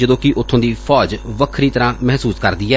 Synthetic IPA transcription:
d͡ʒəd̪õːkɪʔʊt̪ʰːõːd̪iːfʰɔːd͡ʒʋəkʰɾiːt̪əɾãːmɛɦsuːskəɾd̪iːɛː

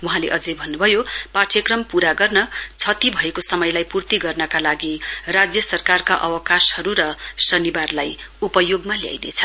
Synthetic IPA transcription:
wuɦãleʔʌd͡zʌjbʱʌnːubʱʌjopaʈʰjʌkrʌmpuɾaɡʌrnʌt͡sʰʌt̪ibʱʌekosʌmʌjlajpurt̪iɡʌrnʌkalaɡirad͡zjʌsʌrkarkaʔʌwʌkashʌɾuɾʌsʌnibarlajupʌjoɡmalja̰jnḛt͡sʰʌ

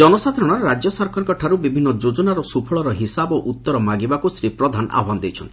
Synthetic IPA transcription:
d͡ʒɔnɔsad̪ʰʱɾɔɽ̃aɾɔɾad͡ʒjɔsɔɾkʰɔɾɔŋkɔʈʰaɾubibʱinːɔd͡ʒod͡ʒɔnaɾɔsupʰɔɭɔɾɔɦisaboʔut̪ːɔɾɔmaɡibakusɾipɾɔd̪ʱanʔa̰ɦɔanɔd̪ejt͡ʃʰɔnt̪i

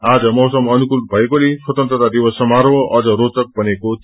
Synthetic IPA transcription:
ad͡zʌmʌɦsʌmʌnukulbʱʌekoleswʌt̪ʌnt̪ɾʌt̪ad̪iwʌsʌmaɾwʌʌd͡zʌɾot̪ʌk̚bʌneko

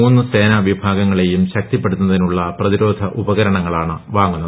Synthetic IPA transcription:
uːnːɨse̞ːnɐʋibʱaːɡɐŋːɐɭe̞jumɕɐk̚t̪ipːe̞ɽut̪unɐðinuɭːɐprɐðiɾo̞ːd̪ʱɐʔubɐɣɐɾɐɳɐŋːɐɭaːɳɨʋaːŋːunːɐð

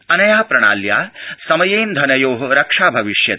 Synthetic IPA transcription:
ɐnɐjaːpɾɐɽ̃a̰ːljaːsɐmɐjeːnd̪ʱɐnɐjoːɦɐɾɐkʂaːbʱɐʋiʂjɐt̪

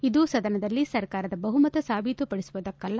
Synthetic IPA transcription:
id̪usɐd̪ɐnɐd̪ɐlːisɐɾkaːɾɐd̪ɐbɐɦumɐt̪ɐsaːbʱit̪upɐɽisuʋɐd̪ɐkːɐlːɐ

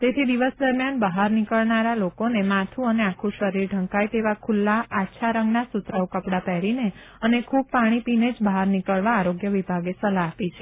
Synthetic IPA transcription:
t̪et̪ʰid̪iʋəsd̪əɾmjanbəɦaɾnikəɭnaɾalokonemãt̪ʰũəneakʰũʃəɾiɾɖʱə̃ŋkajt̪eʋakʰulːaatːʃʰaɾəŋɡnasut̪ɾaokəpɽapɛɦɾine | ənekʰub̚paɽ̃ipined͡ʒbəɦaɾnikəɭʋaːɾoɡjəʋibʱaɡesəlaːpit͡ʃʰe̥

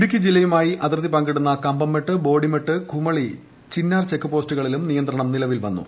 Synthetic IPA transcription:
iɽukʲːid͡ʑilːɐjumaːjiʔɐt̪irt̪ːipɐŋɡeɽunːɐkɐmbɐmːeʈːɨbo̞ːɽimeʈːɨkʰumɐɭi | t͡ɕinːaːrt͡ɕekːɨpoːstuɣɐɭilumnijɐnd̪ɾɐɳɐmnilɐʋilʋɐnːṵ

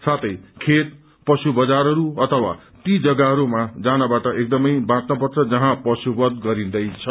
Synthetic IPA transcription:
sat̪ʰʌjkʰet̪̚ | pʌsubʌd͡zaɾɦʌɾuʌt̪ʰʌwa̰ | t̪id͡zʌɡaɦʌɾumad͡zanabaʈʌʔek̚d̪ʌmʌjbãt̪nʌp̬ʌrt͡sʰʌd͡zʌɦãpʌsubʌd̪ɡʌɾĩnd̪ʌjt͡sʰʌ

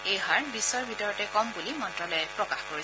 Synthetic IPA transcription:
ejɦaɹbisɔɹbʱitɔɹɔtɛkɔmbulimɔntɹɔlɔjɛpɹɔkaxkoɹi

